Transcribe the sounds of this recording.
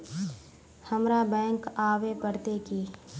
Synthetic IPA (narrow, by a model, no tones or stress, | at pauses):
həmɾabɛ̃ːŋkaːʋepəɾt̪ekiː